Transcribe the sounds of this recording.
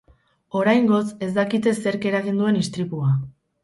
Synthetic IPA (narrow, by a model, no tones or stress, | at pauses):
o̞ɾajŋɡo̞se̞zd̪akit̪e̞se̞ɾke̞ɾaɣind̪ue̞nist̪ɾipua